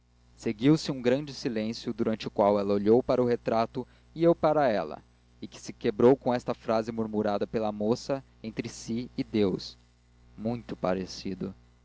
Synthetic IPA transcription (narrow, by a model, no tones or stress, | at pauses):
seɡiwsɪũɡɾɐ̃d͡ʒɪsilẽsjʊd̪uɾɐ̃nt͡ʃɪʊkwawɛlɐoʎowpaɾɐʊɦet̪ɾat̪ʊ | iewpaɾɐɛlɐ̰ | ɪkɪ̥sɪkebɾowkõɛst̪ɐfɾazɪmuɾmuɾad̪ɐpelɐmosɐ | ẽnt̪ɾɪsiɪd̪ews | mũj̃t̪ʊpaɾesid̪ʊ̰